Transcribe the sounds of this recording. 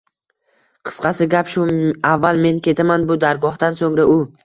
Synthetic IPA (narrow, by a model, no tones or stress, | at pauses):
qʰɨ̥sqɑsɪɡʲapʃʊavːalˠme̞nkʲʰe̞t̪ʰamanbʊd̪aɾɡɒhd̪ansoŋɾaʔʊ